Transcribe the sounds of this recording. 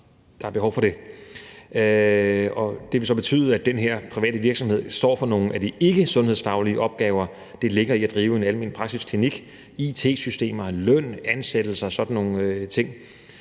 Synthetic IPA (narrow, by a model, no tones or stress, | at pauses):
d̥ɑ̈æɐb̥e̝ɦɒʊfɒ̽ɾ̥e̝ | ɒ̽d̥e̝ʋe̝sɒ̽b̥e̝t͡sʰy̰ːðˠæd̥enɦeɐ̰pʰʁiʋɛ̰ːd̥əʋiɐɡ̥sɒ̽mhe̝ð̰ˠsd̥ɒ̰ːfɒ̽no̝ːŋn̩æd̥ie̝ɡ̥əsɔ̽nheð̞̰ˠsfɑ̈ʊliəʔɒ̽b̥ɡ̥ɛːʊɐ | d̥e̝le̝ɡ̥ɐiæd̥ʁiːʊəe̝nælme̝̰ːnpʰʁɑ̈ɡ̥siskʰliniɡ̥ | it͡sʰe̝̰ːsysd̥e̝̰ːmɐlœn̰ænsed̥l̩sɐsɒ̽d̥n̩ːo̝ŋ̩øt͡sʰe̝ŋ̰